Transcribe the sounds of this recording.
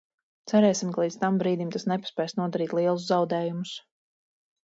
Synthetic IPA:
t̪sæɾɛːsimkalˠiːd̪st̪ambɾiːd̪imt̪asnɛpḁspʲɛːjsnuɔd̪aɾiːt̪lˠiɛlˠuzzawd̪ɛːjumʊs

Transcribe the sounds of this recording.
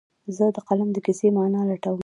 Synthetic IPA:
zəd̪əqalamd̪əkisemɑnɑlaʈawə

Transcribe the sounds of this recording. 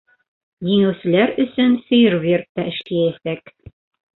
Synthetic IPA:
jiŋæwsɘ̆læɾɵ̆sɵnsɵ̆jɘɾvert̪ːɑɘ̆ʃk̪ijæθæk

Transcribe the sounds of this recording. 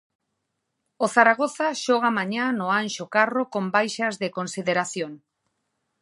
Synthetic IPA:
oθaɾaɣoθaʃoɣ̞amaɲanoanʃokarokombajʃazðekonsiðeɾaθjoŋ

